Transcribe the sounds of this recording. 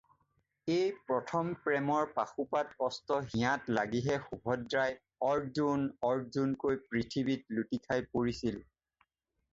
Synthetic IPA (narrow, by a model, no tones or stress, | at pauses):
ejpɹɔtʰɔmpɹɛmɔɹpaxupatɔstɔɦĩãtlaɡiɦɛxubʱɔdɹaj | ɔɹzunɔɹzunkojpɹitʰibitlutikʰajpoɹisil